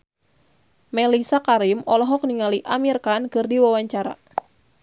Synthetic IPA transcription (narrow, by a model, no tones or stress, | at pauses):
mɛlisakaɾimɔlɔɦɔk̚niŋaliʔamirkankɨrdiwawaɲt͡ʃaɾa̰